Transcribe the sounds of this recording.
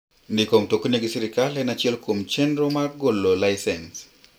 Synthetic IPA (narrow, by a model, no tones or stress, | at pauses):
ndɪkomtokoneɡɪsiɾɪkalɛnat͡ʃiɛlkomt͡ʃendɾomaɡolːolaɪsɛns